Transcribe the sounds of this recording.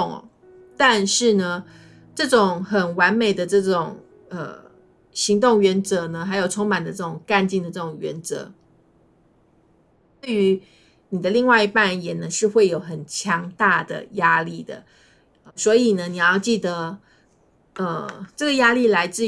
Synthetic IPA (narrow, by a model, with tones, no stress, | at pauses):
ŋ̰˩ | t̪a˥˧nʂɻ̩˥˩nə˩ | ʈ͡ʂɤ˥˩ʈ͡ʂʊ˨˩ŋxə˨˩nwa˧˥nme˨˩ɪd̪ə˩ʈ͡ʂɤ˥˩ʈ͡ʂʊ˨˩ŋ | ə̰˧˩ | ɕi˧˥ŋt̪ʊ˥˩ŋɥɛ˧˥nt͡sɤ˧˥nə˧xa˧˥ɪjo˨˩ʊʈ͡ʂʰʊ˥ŋma˨˩nd̪ə˦ʈ͡ʂɤ˥˩ʈ͡ʂʊ˨˩ŋka˥˧nt͡ɕi˥˩ŋd̪ə˩ʈ͡ʂɤ˥˩ʈ͡ʂʊ˨˩ŋɥɛ̰˧˥nt͡sɤ̰˧˦ | t̪we˥˩ɪy˧˥ | ni˨˩d̪ə˦li˥˧ŋwa˥˩ɪi˧˥pa˥˩jɛ˨˩nə˧˦ʂɻ̩˥˧xwe˥˩ɪjo˨˩ʊxə˨˩nt͡ɕʰjɑ˧˥ŋt̪a˥˩d̪ə̰˩ja˥li˥˩d̪ə̰˩ | swɔ˧˥i˨˩nə˦ni˨˩jɑ˥˧ʊt͡ɕi˥˩d̪ə˦ | ə˧ʈ͡ʂɤ˥˩ɡə˩ja˥li˥˩la˧˥ɪt͡sɹ̩˥˩